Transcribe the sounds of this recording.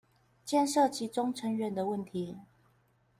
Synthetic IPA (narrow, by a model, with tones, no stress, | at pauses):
t͡ɕjɛ˥˧nʂɤ˥˨t͡ɕʰi˨˥ʈ͡ʂʊ˥˦ŋʈ͡ʂʰə˧˦ŋɥɛ˧˦nd̪ə˨wə˥˨nt̪ʰi˨˦